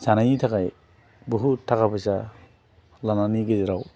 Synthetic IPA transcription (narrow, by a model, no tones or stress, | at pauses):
zanajitʰakaj | buɦutʰakabɯsa | lananiɡeziɾaw